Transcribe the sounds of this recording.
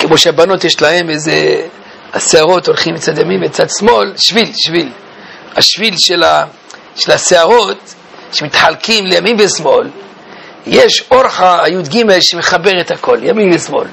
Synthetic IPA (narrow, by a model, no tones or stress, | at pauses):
kemoʃeabano̞t̪jeʃlahe̞meze | a̰seaʁo̞t̪o̞lχimit͡sad̪jamimet͡sad̪smo̞lʃvilʃvil | haʃvilʃela | ʃelaseaʁo̞t̪ | ʃemit̪ħalkimlejamimvesmo̞l | jeʃoɾħaajud̪ɡime̞lʃemeχabeʁet̪hakʰo̞ljamimbesmo̞̰l